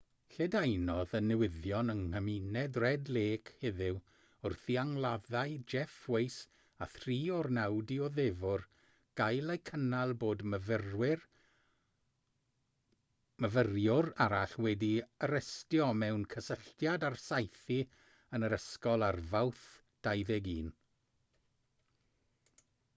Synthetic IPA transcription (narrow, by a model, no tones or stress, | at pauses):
ɬɛdajnɔðənːɛwɪðjɔnəŋhəminɛdrɛdleːkʰhɪðɪw | ʊrθiaŋlˠaðajd͡ʒɛfwejs | aθriːɔrnawdiɔðɛvʊr | ɡ̥ajlˠejkʰənalˠboːdməvərwɪr | məvərjʊraɾaɬwɛdiəɾəstjɔmɛwnkʰəsəɬtjadarsajθi | ənəɾəskɔlˠarvawθ | d̥ajðɛɡiːn